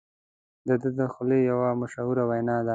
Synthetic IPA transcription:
d̪əd̪əd̪əxʊlejawamaʃauɾawajnɑd̪a

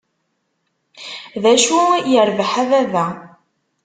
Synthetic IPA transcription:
ðæʃujəɾvəħaðæðæ

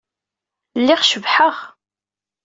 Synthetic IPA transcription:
lːɪʁʃəvħəʁ

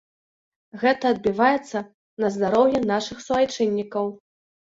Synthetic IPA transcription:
ɣɛt̪ɐːd̪̚bʲivajɛt̪sːɐ | nɐzd̪aɾɔwjɛnaʂɨxsuvajt͡ʂɛnʲːikɐw

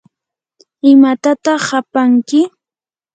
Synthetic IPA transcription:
ɪmat̪at̪ɑχːapaŋkɪ

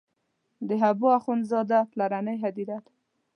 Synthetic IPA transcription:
d̪əɦabuaxunzɑd̪aplaɾanəjɦad̪iɾat̪

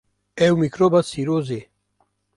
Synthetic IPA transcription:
ɛwmikɾobasiɾoze

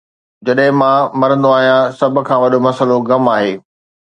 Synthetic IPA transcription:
d͡ʑɐɗɦɪ̃mãːmɐɾə̃nd̪oaːɦijãsɐbʱʊ̆kʰãːʋɐɗomɐsəloɣɐmaːɦeː

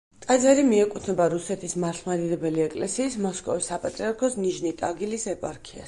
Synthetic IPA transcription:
t̪ʼad̪zɛɾimiɛkʼut̪ʰnɛbaɾusɛt̪ʰismaɾt̪ʰmad̪id̪ɛbɛliɛkʼlɛsiːsmɔskʼɔ̰visːapʼat̪ʼɾiaɾkʰɔsniʒnit̪ʼaɡilisɛpʼaɾkʰia̰s

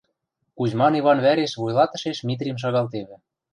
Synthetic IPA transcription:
kuʑmɑniβɑnβæɾeʃβujlˠɑt̪ɤ̆ʃeʃmʲit̪ɾʲimʃ̬ɑɣɑlˠt̪eβɘ̆

